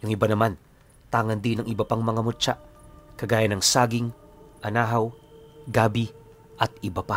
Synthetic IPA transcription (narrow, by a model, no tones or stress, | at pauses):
jʊŋɪbanɐman | t̪aːŋɐnd̪inɐŋɪbɐpaŋmɐŋamʊt͡ʃaʔkɐɡaːjɐnɐŋsaːɡɪŋʔɐnaːɦɐwɡaːbi | ʔɐt̪̚ɪbɐpa